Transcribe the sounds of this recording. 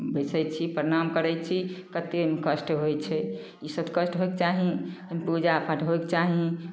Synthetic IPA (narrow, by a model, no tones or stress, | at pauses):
besəjt͡ʃʰipɾenamkəɾɛt͡ʃʰikət̪emekəsʈɦojt͡ʃʰɛ | isəb̪kəsʈɦoekt͡ʃaɦĩəmpud͡ʒapʰəʈʰɦoekt͡ʃaɦĩ